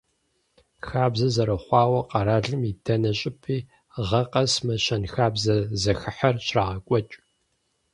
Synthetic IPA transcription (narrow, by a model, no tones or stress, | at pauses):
xaːbzɐzɐɾɐχʷɑːwɐqɐɾaːɮɨmidʰɐnɐɕʼɪpʰiː | ʁɐqʼɐsmɐʃɐnxaːbzɐzɐxɨħɐrɕraːʁɐkʷʼɔt͡ʃʼ